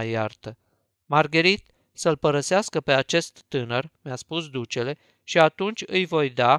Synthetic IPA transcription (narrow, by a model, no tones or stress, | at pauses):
jart̪ə | marɡəɾit̪ | səlpəɾəseaskəpe̞at͡ʃe̞st̪ːɨnərmjaspusd̪ut͡ʃe̞le̞ | ʃiat̪unt͡ʃʲɨjvo̞jd̪a